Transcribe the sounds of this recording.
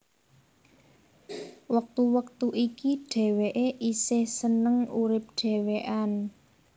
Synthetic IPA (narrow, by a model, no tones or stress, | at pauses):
wək̚t̪uwək̚t̪uʔikiɖ̥ɛ̤weʔeʔisɪhsənəŋuɾɪp̚ɖ̥eɛ̤weʔan